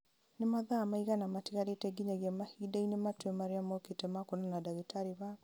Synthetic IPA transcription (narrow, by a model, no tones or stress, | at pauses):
nemaðaːmaiɣanamatiɣaɾetɛɡiɲaɣjamahiːdainematwɛmaɾeamɔketɛmakonanadaɣetaɾeβak